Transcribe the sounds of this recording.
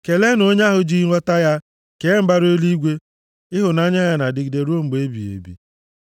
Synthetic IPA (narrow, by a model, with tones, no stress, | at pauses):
ke˨le˦no˦ɲa˦ɦʊ˨d͡ʒi˦ɾʷɔ˦ta˦ja˦ | ke˨˦m̩˦ba˦ɾo˦li˦ɡʷe˦ | ɪ˦ɦʊ˨na˦ɲa˦ja˨na˨dɪ˨ɡi˨de˨ɾu˦o˦ŋ͡m̩˨ɡ͡be˦bḭ˨ḛ˨bḭ˨